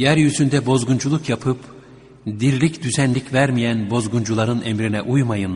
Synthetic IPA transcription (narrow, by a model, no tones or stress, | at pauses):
jæɾjyzynd̪ɛbo̞zɡund͡ʒulˠukjapʰɯp | d̪iɾlʲicd̪yzænlʲicvæɾmijænbo̞zɡund͡ʒulˠaɾɯnʔemɾinɛʔujmajɯn